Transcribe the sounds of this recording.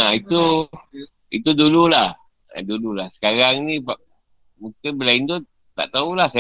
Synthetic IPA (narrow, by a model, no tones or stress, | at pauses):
ait̪u | it̪udululah | a̰dululahsə̥kaɾaŋniba | mukibəlaind̪o | t̪a̰ʔt̪aulahsa